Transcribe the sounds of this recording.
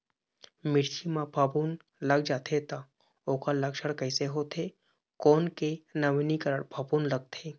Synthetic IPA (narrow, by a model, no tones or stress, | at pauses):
mɪɾt͡ʃʰimãbʰʱabun | ləɡ̚d͡ʒaːt̪ʰet̪a | oːkaləkʃəɽkəɪseɦoːt̪ʰe | koːnkenəʋinikəɾəɽbʰʱəbunləɡ̚t̪ʰe